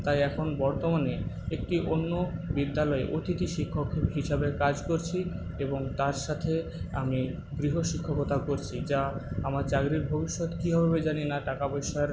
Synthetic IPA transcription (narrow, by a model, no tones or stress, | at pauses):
t̪ajɛkʰonbɔɾt̪omane | ek̚ʈiʔonːobid̪ːalɔeʔot̪it̪iʃikʰːokɦiʃabekad͡ʑkoɾt͡ɕʰi | eboŋt̪aɾʃat̪ʰea̰mi | ɡɾiɦoʃikʰːokot̪akoɾt͡ɕʰid͡ʑaamaɾt͡ɕaɡɾiɾbʱobiʃːot̪kiɦɔbʱbed͡ʑaninaʈakabɔjʃɔeɾ